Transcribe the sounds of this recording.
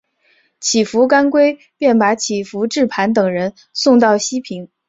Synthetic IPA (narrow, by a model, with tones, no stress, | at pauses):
t͡ɕʰi˨˩fu˧˥ka˥nkwe˥ɪ | pjɛ˥˩npa˧˥t͡ɕʰi˨˩fu˧˥ʈ͡ʂɻ̩˥˩pʰa˧˥nt̪ɤ˨˩ŋɻə˧˥n | sʊ˥˧ŋt̪̬ɑ˥˩ʊɕi˥pʰi˧˥ŋ